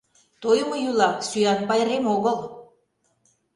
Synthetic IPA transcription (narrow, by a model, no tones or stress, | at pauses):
t̪ojmojulɑksyjɑnpɑjɾemoɣəlˠ